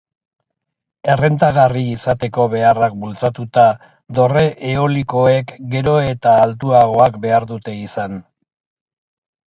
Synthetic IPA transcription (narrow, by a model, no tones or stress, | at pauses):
e̞re̞nt̪aɣariːsat̪e̞ko̞βe̞arak̚bult͡sat̪ut̪a | d̪o̞re̞ʔeoliko̞e̞kɡe̞ɾo̞e̞t̪aːlt̪̬uaɣo̞akbe̞aɾðut̪e̞isan